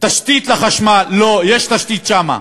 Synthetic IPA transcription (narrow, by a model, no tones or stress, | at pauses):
t̪aʃt̪it̪laχaʃmalːojeʃt̪aʃt̪it̪ʃama̰